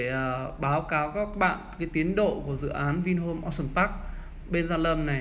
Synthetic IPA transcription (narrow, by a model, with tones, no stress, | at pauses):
ʔəː˨˩ɓaː˨˦wkaː˨˦wkaː˦˥k̚aː˦˥k̚ɓa̰ː˧˨nkaː˨˦jt̪i˨˦ənɗo̰˧˨ku˧˩əzɨ̰˧˨ʔaː˨˦nvi˧nɦo˧mʔɔ˧sə˧˩npaː˦˥k̚ | ɓe˧nzaː˧lə˧mna˨˩j